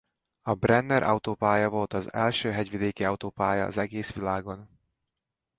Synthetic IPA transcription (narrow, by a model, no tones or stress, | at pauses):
ɒbrɛnd̪ɛɾʔɒ̰wut̪oːpaːjɒvo̞lt̪ɒzɛ̰lʃøːɦɛɟvid̪eːkiɒwt̪oːpaːjɒ̰ːzɛɡeːsʋilaːɡo̞n